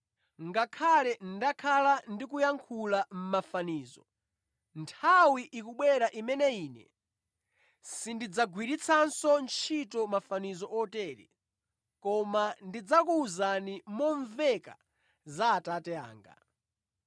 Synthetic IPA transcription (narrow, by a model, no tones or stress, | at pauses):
ŋɡakʰalɛn̩dakʰalandikujaŋkʰulam̩mafaniːzɔ̰ | ntʰawiʔikuɓwɛɾaʔimɛnɛiːnɛ̰ | sindid͡zaɡwiɾit͡sʰansɔnt͡ʃʰitɔmafanizɔʔɔtɛːɾḭ | kɔmandid͡zakuːzanimɔɱvɛka̰ | zaːtatɛa̰ːŋɡa̰